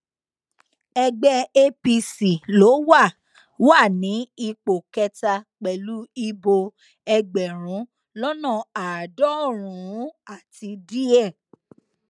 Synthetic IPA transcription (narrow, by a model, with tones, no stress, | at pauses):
ɛ˧ɡ͡bɛ˦e˧pi˧si˨lo˨˦wa˦˨ | wa˦˨nĩ˨˦i˧k͡po˨kɛ˧ta˧k͡pɛ˨lu˦i˧bo˧ | ɛ˧ɡ͡bɛ˨ɾ̃ũ˨˦ | lɔ˦nɔ̃˦˨a˨dɔ˦˨ɾ̃ũ˨ũ˨˦a˦˨ti˧di˦ɛ˦˨